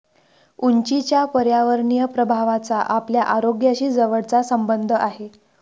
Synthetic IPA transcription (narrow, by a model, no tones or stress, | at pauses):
uɲt͡ɕit͡ɕjapəɾjaʋəɾɳijəpɾəbʱaʋat͡saʔapljaʔaɾoɡjaɕiːd͡zəʋəɽt͡sasəmbənd̪ʱəʔaɦe